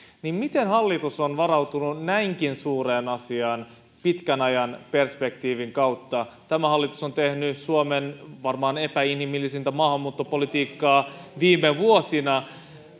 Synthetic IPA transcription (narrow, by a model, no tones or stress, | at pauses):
nimmit̪e̞nhɑlːit̪usonʋɑɾɑwt̪ununnæiŋk̟insuːreːnɑsiɑːn | pit̪kænɑjɑnpe̞rspe̞k̚t̪iːʋiŋkɑwt̪ːɑt̪æmæhɑlːit̪uso̞nt̪e̞hnysuomenʋɑrmɑːne̞pæinhimilːisint̪æmɑːhɑmːuːt̪ːopo̞lit̪iːkːɑːʋiːmːeʋuosinɑ